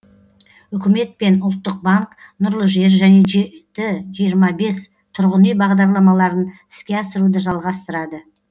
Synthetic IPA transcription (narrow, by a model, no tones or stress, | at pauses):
ʏkʲɪme̞t̪̚pe̞nʊlˠt̪ːəq̚bɑŋk | nʊɾlˠəʒe̞ɾʒæne̞ʒet̪ɪʒijəɾmɑbe̞s | t̪ʰʊɾʁənijbɑʁd̪ɑɾlˠɑmɑlˠɑɾənɪskʲe̞ɑsəɾud̪əʒɑlˠʁɑst̪əɾɑd̪ə